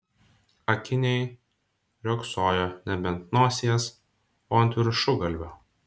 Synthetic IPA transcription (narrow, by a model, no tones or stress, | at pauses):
ɐkʲɪnʲɛɪ | ɾʲoːksoːjoːnʲɛbʲɛnt̪noːsʲeɛs | oːɐnʲt̪ʲʋʲɪɾʲʃʊɡɐlʲʋʲoː